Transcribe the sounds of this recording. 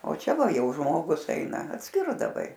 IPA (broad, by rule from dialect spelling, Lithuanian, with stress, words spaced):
oː ˈt͡ʃʲɛ ˈʋɐ ˈjɛʊ ˈʒmoːɡʊs ˈɛɪnɐ ɐtʲˈsʲkʲɪrdɐʋɐɪ